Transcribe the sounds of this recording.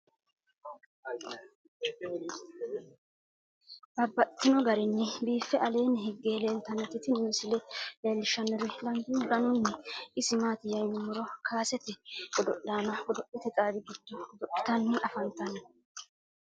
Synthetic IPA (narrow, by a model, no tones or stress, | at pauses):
bɐbːɐt̪ːɪnɔɡɐɾɪnːɛbiːfːɛʔɐle̞ːnɛɦɪɡːeːle̞ːlt̪ɐnːɛt̪ːɪt̪ɪnuːsɪlɛleːlːɪʃɐnːɛɾɪlɐŋɡɪnd̪ɐnʊnːɛʔɪsɪmaːt̪ɪjɐjnɪmʊɾɔkʰaːsɛt̪ɛɡɔd̪ɔʔːaːnɐɡɔd̪ɔʔɛt̪ɛt͡sʼaːbɪɡɪd̪̥ːɔd̪ɔʔɪ̥t̪ɐnːɪʔɐfɐnt̪ɐnɐ